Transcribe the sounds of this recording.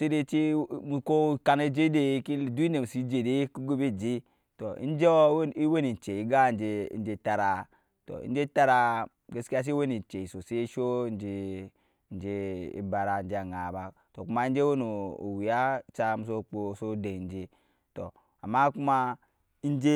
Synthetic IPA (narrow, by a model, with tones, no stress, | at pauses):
se˦de˦t͡ʃi˦mu˨ko˦ka˨ne˦d͡ʒe˦de˦ki˦˨du˦i˦ne˨m˨si˦d͡ʒe˨de˦ki˦ɡo˦be˦d͡ʒe˦ | to˨ḭ˦n˦d͡ʒe˦o˦wi˦we˦ni˨n˨t͡ʃe˨i˨˦ɡa˦˨n˦d͡ʒḛ˨˦n̩˦d͡ʒe˦ta˨ɾa˨ | to̰˨ḭ˦n˦d͡ʒe˦ta˦ɾa˦ | ɡe˦si˦a˦s̬i˦we˦ni˨n˨t͡ʃe˨i˨so˨se˦ʃo˦n˦d͡ʒe˦ | n˦d͡ʒe˦ḭ˨˦ba˨ɾa˨n̩˦d͡ʒe˦a˨ŋa˨ba˨ | to˨ku˦ma˦n˦d͡ʒe˦wo˦no̰˨wi˨a˦t͡ʃa˦mu˨s̬o˦k͡po˨so˦de˨n˦d͡ʒe˦ | to˨ | a̰˨ma˦ku˦ma˦ | i˦n˦d͡ʒe˦